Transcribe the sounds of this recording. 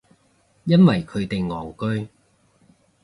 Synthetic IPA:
jɐ˥nwɐ˨jkʰɵ˨˧ɥt̪e˨jŋɔː˨˩wkɵ˥ɥ

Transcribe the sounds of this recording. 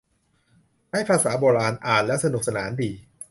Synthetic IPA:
ha˥˩jpʰaː˧saː˩˦boː˧ɾaː˧nʔaː˨˩nlɛ˦˥ʔsa˧nu˨˩k̚sa˧naː˩˦ndiː˧

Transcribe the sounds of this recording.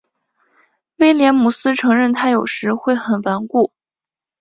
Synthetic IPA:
we˥ɪljɛ˧˥nmu˨˩sɹ̩˥ʈ͡ʂʰɤ˧˥ŋɻə˥˩nt̪ʰa˥jo˨˩ʊʂɻ̩˧˥xwe˥˩ɪxə˨˩nfa˧˥nku˥˩

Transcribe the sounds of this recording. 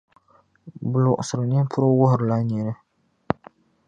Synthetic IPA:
bʊ˨lʊ˨ʔʊ˨sʊ˨ɾɨ˨ɲɛ˦m˦pʰʊ˦ɾo˦wʊ˦hʊ˨ɾɨ˨la˦ɲi˨nɨ˦

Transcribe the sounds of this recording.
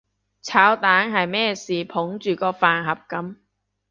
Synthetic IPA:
t͡sʰaː˨˥wt̪aː˨˥nɦɐ˨jmɛː˥siː˨˩pʰʊ˨˥ŋt͡ʃyː˨kɔː˧faː˨nɦɐ˨p̚kɐ˨˥m

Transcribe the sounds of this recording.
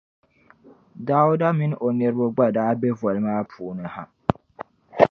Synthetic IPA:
da˦ʊ˦da˦mĩ˦n˦ʔo˨nɛ˨ɾbo˦ɡ͡ba˦daː˨˦bɛ˦vɔ˨lmaː˦pʰuː˨nɨ̃˨ha̰˦

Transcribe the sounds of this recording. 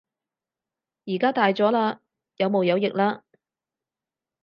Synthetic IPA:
jiː˨˩kaː˥t̪aː˨jt͡sɔː˨˥laː˧ | jɐ˨˧wmo˨wjɐ˨˧wjɪ˨k̚laː˥

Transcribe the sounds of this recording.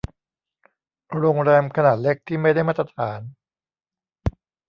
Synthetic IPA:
ɾoː˧ŋɾɛː˧mkʰa˧naː˨˩t̪̚le˦˥k̚t̪ʰiː˥˩ma˥˩jda˥˩jmaː˦˥t̪ːɾa˧t̪ʰaː˩˦n

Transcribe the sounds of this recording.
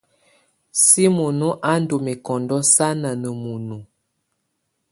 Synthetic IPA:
si˦mo˨no˦ʔa˦n̩˦do˨me˨kɔ˨ndɔ˦sa˦na˨nə˨mu˨nu˨

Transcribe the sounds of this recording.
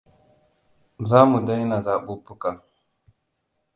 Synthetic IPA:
za˦mu˨da˦jna˨za˨ɓu˦pu˦ka˨

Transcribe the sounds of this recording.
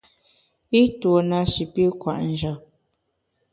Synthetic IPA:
i˦two˨na˨ʃi˨pi˦kwa̰˨ʔn̩˨d͡ʒɔ˨

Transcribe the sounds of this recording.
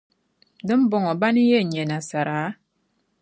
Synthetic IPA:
dɨ˦m̩˦bɔ˦ŋɔ˨ba˦ni˦je˦˨ɲe˨na˨sa˨ɾa˨˦

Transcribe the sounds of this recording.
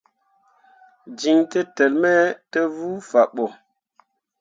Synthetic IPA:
d͡ʒi˨ŋtə˦tə˨lmɛ˦tə˦vu˦fa˨ɓɔ˨

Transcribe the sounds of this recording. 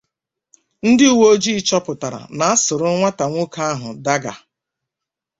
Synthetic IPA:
n̩˦dɪ˦u˨wo˦d͡ʒi˦t͡ʃɔ˦pʊ˨ta˨ɾa̰˨na˨˦a˦sʊ˨ɾʊ˦ŋʷa˦ta˨ŋʷʊ˦kʰa˦a˦ɦʊ˨da˦ɡa̰˨

